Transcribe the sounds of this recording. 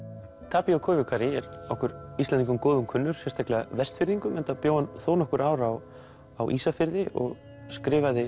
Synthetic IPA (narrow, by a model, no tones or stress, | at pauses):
t̪ʰaːpiawkʰɔːjʏkʰaɾɪɛɾɔhkʏɾislɛniŋkʏmkoːðʏmkʰʏnːʏɾ̥sɛ̥st̪ʰahklɛa̰vɛst̪fɪɾðiŋkʏmɛnt̪apjoːwanθoːwnɔhkʏɾaːwɾaw | awʔiːsafɪɾðɪʔɔ̰ɣ | skɾɪːvaðɪ